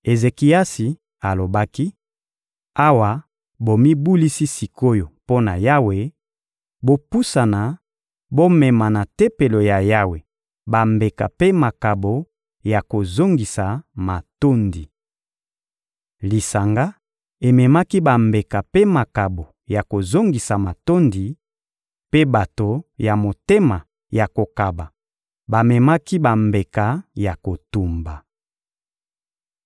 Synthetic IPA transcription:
e˨ze˨ki˨a˦si˨ | a˨lo˨ba˦ki˦ | a˦wa˨ | bo˨mi˦bu˦li˦si˦si˨ko˦jo˨po˦na˨ja˦we˨ | bo˦pu˦sa˨na˨ | bo˦mɛ˨ma˨na˨te˦pe˨lo˨ja˨ja˦we˨ | ba˨mbe˨ka˨pe˦ma˨ka˨bo˨ | ja˨ko˨zo˦ŋɡi˨sa˨ma˨to˦ndi˨ | li˨sa˨ŋɡa˦ | e˨mɛ˨ma˦ki˦ba˨mbe˨ka˨pe˦ma˨ka˨bo˨ | ja˨ko˨zo˦ŋɡi˨sa˨ma˨to˦ndi˨ | pe˦ba˨to˨ja˨mo˨te˦ma˨ | ja˨ko˨ka˨ba˨ | ba˨mɛ˨ma˦ki˦ba˨mbe˨ka˨ja˨ko˨tu˨mba˨

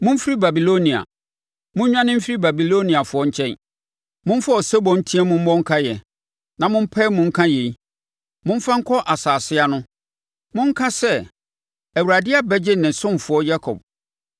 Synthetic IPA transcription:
mʊ̃˦m̩˦fi˦ɾi˦ba˨bi˨lo˦nĩ˨a̰˨ | mʊ̃˦ɲᶣ˦ã˦nɪ̃˦m̩˦fi˦ɾi˦ba˨bi˨lo˦nĩ˨a˨fʊ˨ɔ˦ɲ̩˦t͡ɕʰɛ̃˦n | mʊ̃˦m̩˦fa˦ɔ˨sɛ˦bɔ̃˨n̩˦tʰĩ˦ɛ˦mʊ̃˦m̩˦bɔ̃˦ŋ̩˦kʰa˦jɛ˨ | nã˨mʊ̃˦m̩˦pʰɛ˦mʊ̃˦ŋ̩˦kʰã˦je˨i˦ | mʊ̃˦m̩˦fã˦ŋ̩˦kʰɔ˦ʔa˨saː˨sɪ˦a˦nʊ̃˦ | mʊ̃˦ŋ̩˦kʰã˦sɛ˦ | æ˨wu˨ɾa˨dɪ˦a˨bɛ˦d͡ʑɪ˦nɪ̃˨n˨sʊ̃˦m˨fʊ˨˦ɔ˦ja˦kʰɔ̰˨b̚

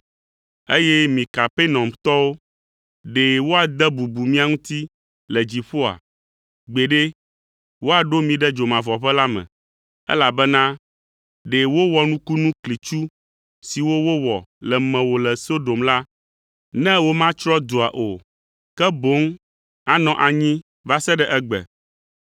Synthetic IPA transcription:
e˦jɛ˦mĩ˨ka˨pe˦nɔ̃˨mt̪ɔ˦wo˦ | ɖe˨wo˦a˨d̪ɛ˦bu˨bu˨mĩ˦a˨ŋũ˦t̪i˦ | lɛ˨d͡ʑi˨ɸo˦a̰˨ | ɡ͡be˨ɖe˦ | wo˦a˨ɖo˦mĩ˨ɖɛ˦d͡ʒo˨mã˨vɔ˨ɸɛ˦la˦mɛ̰̃˨ | ɛ̰˦la˨bɛ˦nã˦ | ɖe˨wo˦wɔ˨nũ˦ku˦nũ˦kli˨t͡ʃu˦ | si˨wo˦wo˦wɔ˨lɛ˨mɛ̃˨wo˨lɛ˨so˦do˨mla˦ | nɛ̃˦wo˦mã˦t͡ʃɾɔ˦d̪o˨a˨ʔo˨ | kɛ˦bo˨˦ŋ | a˦nɔ̃˨ʔa˨ɲĩ˦ | va˦sɛ˦ɖɛ˦ʔɛ˦ɡ͡bɛ̰˨

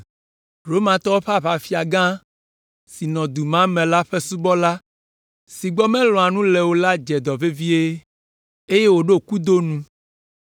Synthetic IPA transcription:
ɾo˦mã˨t̪ɔ˦wo˦ɸa˦ɸa˨fi˦a˨ɡã˦ | si˨nɔ̃˨d̪u˨mã˦mɛ̃˨la˦ɸe˦su˦bɔ˦la˦ | si˨ɡ͡bɔ˦mɛ̃˦lɔ̃˨a˨nũ˦lɛ˨wo˦la˦d͡ʒɛ˨d̪ɔ˨ve˦vi˦e˦ | e˦je˦wo˨ɖo˦ku˦d̪o˦nũ˦

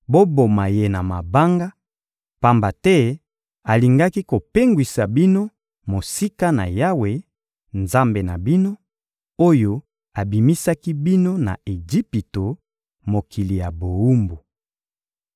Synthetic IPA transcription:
bo˦bo˨ma˨je˦na˨ma˨ba˦ŋɡa˦ | pa˨mba˨tɛ˦ | a˨li˨ŋɡa˦ki˦ko˨pe˦ŋɡwi˨sa˨bi˦no˦ | mo˨si˦ka˦na̰˨ja˦we˨ | nza˦mbe˨na̰˨bi˦no˦ | o˦jo˦ | a˨bi˨mi˦sa˦ki˦bi˦no˦na̰˨e˨d͡ʒi˦pi˨to˨ | mo˨kʰi˨li˨ja˨bo˨u˦mbo˨

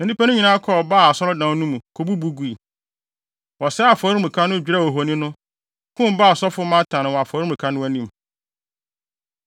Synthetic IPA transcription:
nã˨dĩ˦pʰa˦nʊ̃˦ɲĩ˨nãː˦kʰɔ˦˨ɔ˨ba˦˨a˨sɔ˦ɾɔ˦dã˨˦nũ˦mũ˨kʰo˨bu˦bu˦ɡu˦i˨ | wɔ˨sɛ˦a˨fɔ˨ɾi˦m˨ĩ˨kʰa˦nʊ̃˦d͡ʑᶣi˦ɾa˦˨wɔ˨ɦo˨nĩ˦nʊ̃˦ | kʰʊ̃˦m˦baː˦˨ɔ˨sɔ˦fʊ˦mã˦tʰã˨nɪ̃˨wɔ˨a˨fɔː˨˦ɾi˦˨ũ˨kʰa˦nʊ̃˦æ˨nĩ˨m

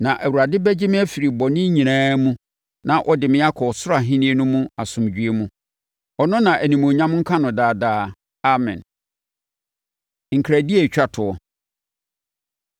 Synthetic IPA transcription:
nã˨ʔæ˨wu˨ɾa˨dɪ˦bɛ˦d͡ʑɪ˦mɪ̃˦æ˦fi˨ɾi˨bɔ˨nɪ̃˦ɲĩ˨nãː˦mũ˦ | nã˨ʔɔ˨dɪ˨mɪ̃˦a˦kʰɔ˨sʊ˦ɾa˨ɦɪ̃˦nĩ˦e˦nʊ̃˦mũ˦a˨sʊ̃˨md͡ʑᶣɥe˦mũ˦ | ɔ˨nʊ̃˦nã˨ʔæ˨nĩ˨mõ˨ɲã˦m˦ŋ̩˦kʰã˦nʊ̃˨daː˨daː˨ | a˦mɛ̰̃˨n | ŋ̩˨kʰɾæ˨di˦e˨t͡ɕᶣa˨tʰʊ˨ɔ˦

